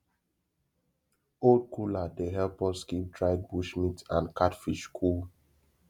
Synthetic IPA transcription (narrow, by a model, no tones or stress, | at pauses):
old̚kuladeɦɛlpɔ̃skidɹaɪd̚buʃmitãnkʰatfiʃkʰul